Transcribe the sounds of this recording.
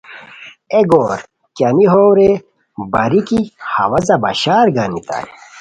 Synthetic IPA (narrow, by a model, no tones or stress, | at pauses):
eɡoːɾ | kjɐniɦoːwɾe | bɐɾikihɐ̰wɐzɐbɐɕaːɾɡanit̪a̰j